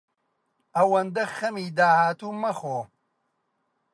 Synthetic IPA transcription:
ɐwɐnd̪ɐxɐmiːd̪aːhaːt̪uːmɐxoː

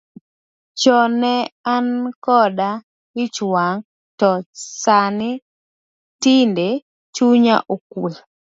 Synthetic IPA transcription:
t͡ʃɔnɛankɔda | ɪt͡ʃwaŋ | tɔsanɪ | tɪnde | t͡ʃuɲa̰ʔokwe

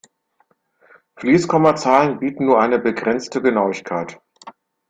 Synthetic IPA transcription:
fliːskʰɔmɐt͡saːlənbiːtn̩nuːɐʔaɪnəbəɡʁɛnt͡stəɡənaʊɪçkʰaɪt

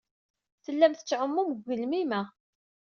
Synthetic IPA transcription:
θəlːæmθə̥t͡sːʕəmːuməɡəlmimæ

